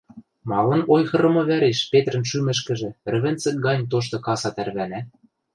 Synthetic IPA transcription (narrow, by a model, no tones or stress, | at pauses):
mɑlɤ̆nojxɤ̆ɾɤ̆mŏβæɾeʃpet̪rə̆nʃymɘ̆ʃ̬kɘ̆ʒĕr̆βɘ̆nt͡sɘ̆k̚ɡɑnʲt̪̬oʃ̬t̪ɤ̆kɑsɑt̪ærβænæ